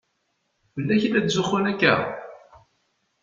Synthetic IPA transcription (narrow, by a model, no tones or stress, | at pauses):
vəlːæçilːæd̪zʊχʊnækːæ̰